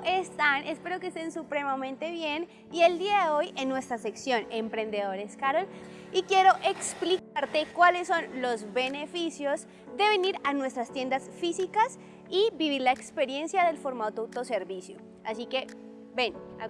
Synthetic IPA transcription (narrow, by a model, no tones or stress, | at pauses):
est̪anʔe̞spe̞ɾo̞kest̪e̞nsupɾe̞mamẽnt̪e̞βje̞n | ie̞ld̪iaðeoje̞nːwe̞st̪ɾase̞ksjo̞ne̞mpɾẽ̞nd̪e̞ðo̞ɾeskaɾol | ikje̞ɾo̞ʔe̞ksplikaɾt̪e̞kwale̞sːo̞nlo̞zβe̞ne̞fisjo̞z | d̪e̞βe̞niɾanwe̞st̪ɾast̪jend̪asfisikas | ibiβiɾlaekspe̞ɾje̞nsjaðe̞lfoɾmat̪oawt̪o̞se̞ɾβisjo | asike̞ | be̞na̰